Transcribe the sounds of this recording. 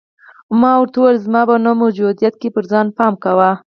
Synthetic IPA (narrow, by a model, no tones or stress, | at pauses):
mɑwɾt̪olzmɑbanomad͡ʒud̪ijat̪̚kepəɾzɑnpɑmkawa